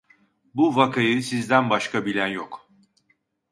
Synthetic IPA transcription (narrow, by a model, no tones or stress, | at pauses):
buvakʰajɯsizd̪ænbaʃkabilʲænjok